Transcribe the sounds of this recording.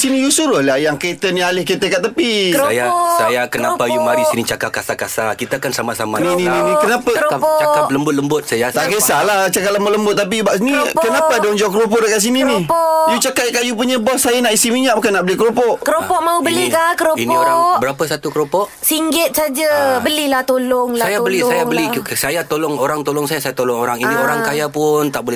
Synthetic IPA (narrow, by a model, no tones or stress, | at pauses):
sinijusuɾʊlajaŋket̪ənialɪhket̪əkat̪apikojasajakənapajumaɾisinit͡ʃakap̚kasakasakit̪aakansamasamaninininikənapaopt͡ʃakap̚ləmbʊt̪̚ləmbʊt̪̚sajat̪akesalaht͡ʃakap̚ləmbʊt̪ləmbʊt̪̚ːap̬ibaʔsinikənapadoond͡ʒaʊkəɾopɔʔdəkaʔs̬ininipɔjut͡ʃakajkajup̬uɲəbɔhsajanaʔisimiɲaʔ̚mukanːaʔbəlihkəɾopɔʔkəɾopɔʔmãubəlikakəɾoinpioɾaŋbəɾapəsat̪ukəɾopɔʔ | siŋɡɪt̪̚sad͡ʒabəlihlaht̪oloŋlaajabəlisajabəllisajat̪olɔŋoɾaŋt̪olɔŋsajasajat̪olɔŋoɾaŋinioɾaŋkajapʊnt̪aʔbolɛ